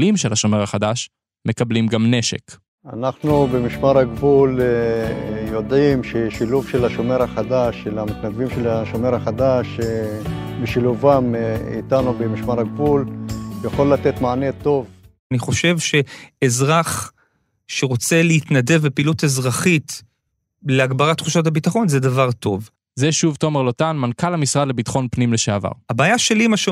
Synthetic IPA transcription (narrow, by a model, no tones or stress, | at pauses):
limʃelhaʃomeʁaχad̪aʃ | mekablimɡamneʃḛk | a̰naχnubemiʃmaʁhaɡvul | jo̞d̪imʃeʃiluvʃelaʃomeʁaχad̪aʃelamit̪nad̪vimʃelaʃomeʁhaχad̪aʃe | beʃiluvamḭt̪anubemiʃmaʁaɡvuljaχo̞lːat̪et̪maanet̪o̞v | aniχo̞ʃe̞vʃe̞ːzʁaχ | ʃeʁo̞t͡se̞leitnade̞vbepiːlutezʁaχit | leaɡbaʁatːχuʃat̬abitaχo̞nzedavaʁto̞v | zeʃuvto̞meʁlotanmankalamisʁadlebitḁχo̞npnimleʃeava̰ʁabaːjaʃe̞limaʃe